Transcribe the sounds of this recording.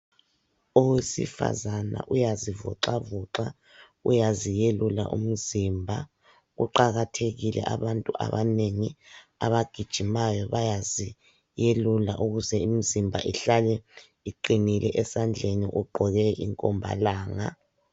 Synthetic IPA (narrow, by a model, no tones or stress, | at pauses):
owesḭfa̰zana̰ʔujazivɔ̰ǃavuǁa | ṵjazijelula̰ʔṵm̩zimbʱa | ɣṵǃaɣatʰeɣilɛ̰ʔaβantʼuʔa̰βaneŋi | a̰βaɡ̥ʱid̥ʒ̥ʱimajɔβajazi | jelulaʔuɣuzɛim̩zimbʱaʔiɬalɛ | iǃinilʔɛʔɛsand͡ɮʱeniʔuɡ͡ǃʱɔɣɛʔḭŋkʼɔmbʱa̰laːŋa̰